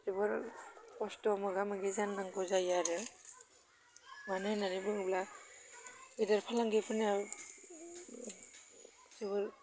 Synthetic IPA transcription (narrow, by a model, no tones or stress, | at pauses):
zibɯɾkɔstɔmɯɡamaɡizandaŋkɔzajaɾɯ | manɯnanibɯŋbla | idaɾpʰalaŋɡepʰɯna | siβɯɾ